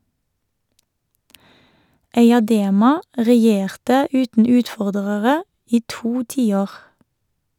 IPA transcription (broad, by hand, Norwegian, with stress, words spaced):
eɪɑˈdeːmɑ ʁɛˈjeːʁtə ˈʉːtn̩ ˈʉːtˌfɔʁdəʁəʁə ˈiː ˈtuː ˈtiːˌoːʁ